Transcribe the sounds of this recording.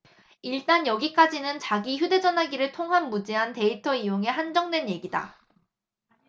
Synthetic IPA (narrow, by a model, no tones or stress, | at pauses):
iɭt͈anjʌɡik͈ad͡ʑinɯnt͡ɕaɡiçjude̞d͡ʑʌnɦaɡiɾɯɭtʰoŋɦanmud͡ʑiɦante̞itʰʌijoŋe̞ɦand͡ʑʌŋdwe̞nje̞ɡida̰